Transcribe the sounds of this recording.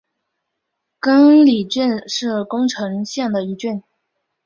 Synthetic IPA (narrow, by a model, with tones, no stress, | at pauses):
kə˥ŋli˨˩ʈ͡ʂi˥˧nʂɻ̩˥˩kʊ˥ŋʈ͡ʂʰɤ˧˥ŋɕjɛ˥˩ŋd̪ə˩i˧˥ʈ͡ʂy˥˩n